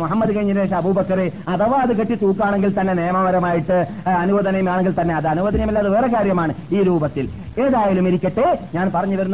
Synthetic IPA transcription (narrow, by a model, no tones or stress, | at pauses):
muɦɐmːɐðukɐjɲːineːʂɐɐbuːbɐkːɐɾeɐðɐʋɐːðɨkɐʈːit̪uːkːaːɳeŋɡilt̪ɐnːe̞nejɐmɐmɐɾɐmaːjiʈːɨ | ɐnuʋɐːðɐnɐjumaːɳeŋɡilt̪ɐnːe̞ɐðɨɐnuʋɐðɐnɐjmilːɐðɨʋeːrekaːɾjɐmaːɳɨiːɾuːbɐt̪ːil | eːðaːjɐlumiɾikʲːɐʈːeɲaːnpɐrɐɲːuʋɐɾunː